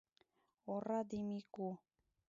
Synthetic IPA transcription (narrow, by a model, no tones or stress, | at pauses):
orad̪imiku